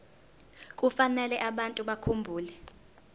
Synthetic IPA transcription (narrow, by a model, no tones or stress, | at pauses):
k̬ʼufanɛlɛʔaɓantʼuɓakʰumbʱuːlɛ